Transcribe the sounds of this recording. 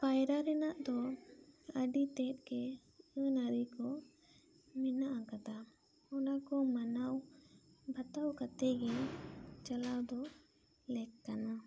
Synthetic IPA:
pajɾaɾɛnaʔd̪ɔ | əɖit̪ɛt̪̚ˀkɛ | ənaɾikɔ | minaʔakad̪a | ɔnakɔmanaw | bʱat̪awkat̪ɛɡɛnt͡ʃalawd̪ɔ | lɛkkːana

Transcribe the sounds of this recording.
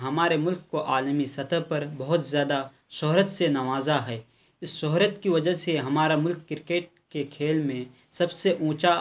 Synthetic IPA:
ɦɐmaːɾemʊlkkːoʔaːlmisɐt̪ʰəɦpɐɾbɐɦʊt̪zjaːd̪a | ʃɔɦɾət̪senɐʋaːzaɦɛː | ɪsʃɔɦɾət̪kiʋɐd͡ʒəseɦɐmaːɾamʊlkːɪɾkeːʈ̚kekʰeːlmẽ | sɐbseʔũːt͡ʃa

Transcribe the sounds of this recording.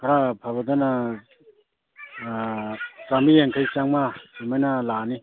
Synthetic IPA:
kʰaɾapʰabad̪ana | kamijeŋkʰajt͡ʃaŋmasimajnalani

